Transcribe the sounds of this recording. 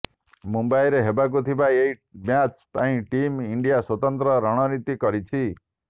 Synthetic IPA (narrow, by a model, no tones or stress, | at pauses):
mumbajɾeɦebak̬ut̪ʰibaeɦimjat͡ʃpaĩʈimiɳɖijaswɔt̪ɔnt̪ɾɔɾɔɽ̃ɔnit̪ikɔɾit͡ʃʰi